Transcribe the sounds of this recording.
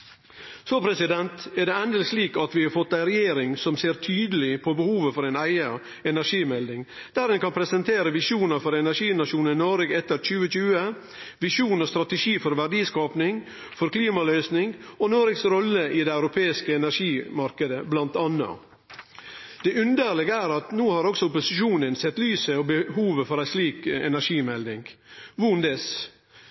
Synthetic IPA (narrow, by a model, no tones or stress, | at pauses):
sopʰɾɛsɪd̪ɛnt̪æɖɛɛnd̪əlɪsliːkɑt̪ʋɪːhɑɾfɔt̪ːæɪɾɛjeːɾɪŋsɔmseːɾt̪ʰyːd̪əlɪpʰobəhuːʋəfɔɾenæɪə | ɛnæɾʂiːmɛld̪ɪŋ | d̪̥æɾɛnkɑnpʰɾɛsənt̪ʰeːɾəʋɪʃuːnəɾfɔɾɛnæɾʂiːnɑʂuːnɪnoːɾəɡɛt̪ːəɾc͡çʉːəc͡çʉːə | ʋɪʃuːnɔst̪ɾɑt̪əʂiːfɔɾʋæɖiːskɑːpnɪŋ | fɔɾkliːmɑlœʏsnɪŋɡɔnoːɾəɡsɾɔlːəʔɪd̪eːɑʉɾʊpʰeːɪskəɛnæɾʂiːmɑɾkəd̪əblɑnt̪ɑnːɑ̰ | d̪̥ɛʉnd̪əɾlɛɡəæːɾɑt̪nuːhɑɾɔksɔʊpʊsɪʃuːnənsɛt̪ːlyːsəɔbəɦuːʋəfɔɾæɪsliːkɛ̰næɾʂiːmɛld̪ɪŋɡʋʊnd̪ɛs